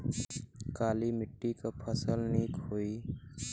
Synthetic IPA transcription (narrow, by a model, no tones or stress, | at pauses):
kaːlimɪʈːikapʰəsəlniːkɦoi